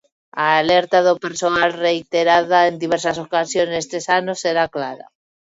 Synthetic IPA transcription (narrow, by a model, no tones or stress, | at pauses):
aːleɾt̪aðopeɾsoalrejt̪eɾaðaend̪iβeɾsasokasjo̞nest̪esanose̞ɾaklaɾa̰